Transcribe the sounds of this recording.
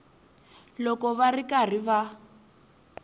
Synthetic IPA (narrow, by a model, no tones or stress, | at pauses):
lɔkɔβarikar̤iβa